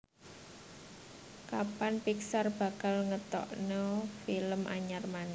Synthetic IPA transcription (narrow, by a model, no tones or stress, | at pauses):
kapanpiksarb̥a̤kalŋət̪ɔ̰ʔnɔfiləmʔa̰ɲarman